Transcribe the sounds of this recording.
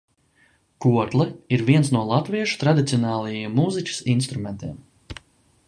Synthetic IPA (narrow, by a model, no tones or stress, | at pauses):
kuɔt̪lˠɛiɾviɛnsnuɔlˠat̪viɛʃu̥t̪ɾad̪it̪siɔnɑːlˠajimːuːzicʲi̥sinst̪ɾument̪ʲiɛm